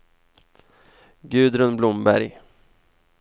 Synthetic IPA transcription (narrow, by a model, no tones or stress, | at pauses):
ɡʉ̟ːd̪ɾɵnblʊmbæ̰ɾj